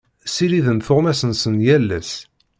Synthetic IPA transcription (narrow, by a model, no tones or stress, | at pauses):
siɾiðənθʊʁmæsənsənjælːæs